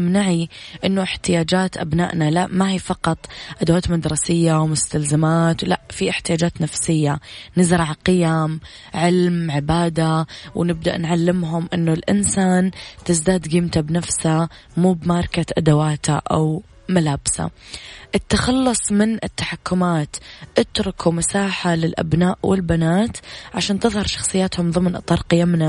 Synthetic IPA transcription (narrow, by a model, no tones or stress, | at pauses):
mnaʕiʔɪnːʊʔɪħt̪ɪjaːd͡ʒaːt̪ʔabna̰ːʔnalaʔmahiːfɑqɑt̪ˤʔad̪awaːt̪mad̪ɾˤɑsɪjːawmʊst̪alzamaːt̪wla̰ʔfiʔɪħt̪ɪjaːd͡ʒaːt̪nafsɪjːanɪzɾˤɑʕqɪjam | ʕɪlmʕɪbaːd̪awnɪb̚d̪a̰ʔnʕalːɪmɦʊmʔɪnːʊlʔɪ̰nsaːnt̪ɪzd̪aːd̪ɡiːmt̪abnafsa | muːbmaːɾˤkat̪ʔad̪awaːt̪ʰaʔa̰w | malaːbsa̰ʔɪt̪ːaxɑlːʊsˤmɪnʔɪt̪ːḁħakːʊmaːt̪ʔɪt̪ɾʊkʰumasaːħalɪlʔa̰bnaːʔwɪ̰lbanaːt̪ʕaʃaːnt̪ɨðˤhɑɾˤʃɑxsˤɨjːaːt̪hʊmðˤɨmnʔɨ̰t̪ˤːɑːɾˤqɪjamna